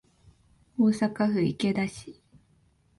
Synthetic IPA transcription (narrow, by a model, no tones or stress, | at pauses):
oːsakaɸɯ̟ike̞d̪aɕi̥